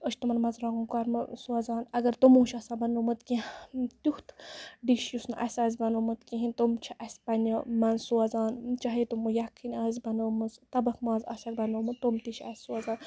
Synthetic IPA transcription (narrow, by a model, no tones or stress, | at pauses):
əʃʰʲt̪umɐnmɐzɾaɡunkaɾmsuɐzaːnɐɡɐɾt̪umũːt͡ʃʰɐsaːbɐnumɨt̪kĩt̪uht̪ɖiʃjusnʔɐsʲaːzʲbɐnumɨt̪kĩɦĩnt̪umt͡ʃʰiʔɐsʲpɐnʲɐmɐnsuɐzaːnt͡ʃaːɦit̪umujakʰːinʲaːzbɐnumɨzt̪ɐbɐkʰmaːzɐ̰sɐk̚bɐnomɨt̪umt̪iʃʰɐ̰sʲsuɐzaːn